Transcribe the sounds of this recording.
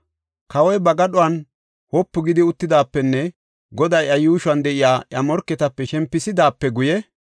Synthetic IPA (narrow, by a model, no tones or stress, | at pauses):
kɐwɔjbɐɡɐɗʊwɐn | hɔpːʊɡɪd̪ɪʊt̪ːɪd̪aːpːɛnːɛ | ɡɔd̪ɐjɐjuːʃwɐnd̪ɛʔɪjaːʔjɐmɔɾkːɛt̪ɐpːɛʃɛmpːɪsɪd̪aːpːɛɡʊjɛ